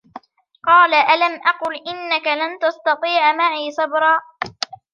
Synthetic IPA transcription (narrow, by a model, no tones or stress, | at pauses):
qɑːlaʔalamʔɑqʊlʔɪnːakalant̪ɑst̪ɑt̪ˤiːʕmaʕiːsˤɑbɾˤɑː